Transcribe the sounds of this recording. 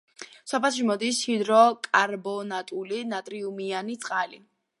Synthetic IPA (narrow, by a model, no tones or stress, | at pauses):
sɔpʰɛlˠʃ̬imɔd̪ishid̪ɾɔkʼaɾbɔnat̪ʼulinat̪ʼɾiumianit̪sʼqʼalḭ